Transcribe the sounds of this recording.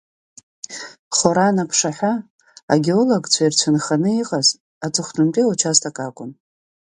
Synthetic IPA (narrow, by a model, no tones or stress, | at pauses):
χoɾanapʰʂaħʷᶣa | a̰ɡʲeoloɡʼt͡ɕʷʰairt͡ɕʷʰanχanɨiqʼaz | at͡sʷʼɨχdʊmpʼiot͡ʃʰastʰʼakʼakʷʼʊn